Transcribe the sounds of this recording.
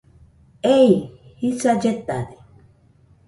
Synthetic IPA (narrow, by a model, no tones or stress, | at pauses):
ejhisad͡ʒet̪ane